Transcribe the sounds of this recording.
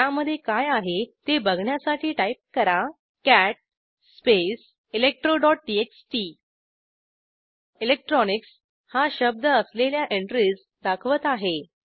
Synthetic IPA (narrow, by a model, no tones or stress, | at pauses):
aməd̪ʱːjekajaɦet̪ebəɡʱɳjasaʈʰiːʈaip̚kəɾa | kæʈ̚ | sːpes | ilek̚ʈɾoɖɔʈ̚ɖieksʈi | ilek̚ʈɾɔniks | haɕəb̚d̪əəsleljaʔeɳʈɾiːd͡z | d̪akʰʋət̪aɦe